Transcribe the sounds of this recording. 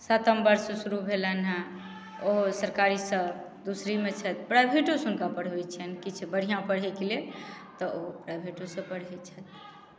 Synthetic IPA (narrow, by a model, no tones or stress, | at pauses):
sət̪əmbəɾssuɾubʱelənɦə̃ | oɦosəɾkaɾisə | d̪usɾimet͡ʃʰət̪pɾajbʱeʈosunkapəɽ̤ɦɛt͡ʃʰɛnkit͡ʃʰbəɽ̤ijãpəɽ̤ɦɛkelelt̪ɔoɦpɾajbʱeʈosə̃pəɽ̤ɦɛt͡ʃʰət̪̚ʰ